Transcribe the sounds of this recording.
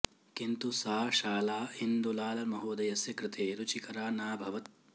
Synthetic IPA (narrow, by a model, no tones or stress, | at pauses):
kint̪usaːʃaːlaːind̪ulaːlɐmɐɦoːd̪ɐjɐsjɐkɾɪt̪ʰeːɾut͡ʃikɐɾaːnaːbʱɐʋɐt̪̚